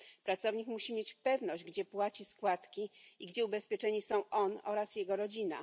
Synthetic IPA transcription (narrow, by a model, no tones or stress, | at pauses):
pɾat̪sɔvɲikmuɕimʲjet͡ɕpɛvnɔʑd͡ʑɡd͡ʑɛpwat͡ɕiskwat̪kʲiiɡd͡ʑɛubɛspʲjɛt͡ʂɛɲisɔ̃w̃ʔɔnɔ̰ɾasjɛɡɔɾɔd͡ʑina̰